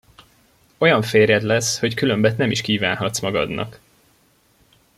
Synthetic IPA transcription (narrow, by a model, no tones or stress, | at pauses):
o̞jɒɱfeːrjɛd̪lɛsho̞ckylø̞mbɛt̪nɛmiʃkiːvaːnɦɒt̪smɒɡɒ̰d̪nɒ̰k